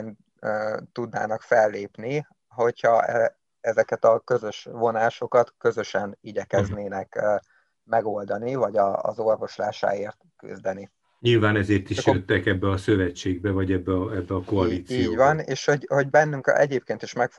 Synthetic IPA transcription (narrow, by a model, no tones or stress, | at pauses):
n | øːt̪ud̪na̰ːnɒkfɛlːeːpni | ɦo̞chɒɛ | ɛzɛkɛt̪ɒkø̞zø̞ʃvo̞naːʃo̞kɒt̪kø̞zø̞ʃɛniɟɛkɛzneːnɛkː | mɛɡo̞ld̪ɒnivɒɟɒ̰ːzo̞rvo̞ʃla̰ːʃa̰ːeːrt̪ky̰zd̪ɛni | ɲilvaːnɛzeːrt̪iʃjøt̪ːɛkɛbːɛɒsøvɛt͡ʃːeːɡ̚bɛvɒɟɛbːɛɒɛbːɛɒkoɒliːt̪siːoɟvɒneːʃho̞ɟho̞ɟbɛnːyŋkɛ̰ɟeːp̚keːnt̪iʃmɛk